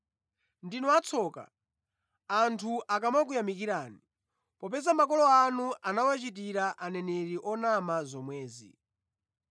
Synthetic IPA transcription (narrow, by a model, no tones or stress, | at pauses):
ndinɔat͡sʰɔːka̰ | antʰuʔakamak̬ujamikiɾaːni | pɔpɛzamakɔlɔanuʔanawat͡ʃitiɾaʔanɛnɛɾiʔɔnamazɔmwɛːzḭ